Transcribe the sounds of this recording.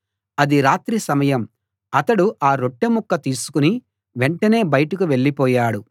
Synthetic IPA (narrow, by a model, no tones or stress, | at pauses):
ɐd̪iɾaːt̪ɾisɐmɐjɐm | ɐt̪ɐɽuʔaːɾo̞ʈːemukːɐt̪iːsu̥kuni | ʋeɳʈɐne̞ːbɐjɐʈɐkuʋe̞ɭːipɔːjaːɽu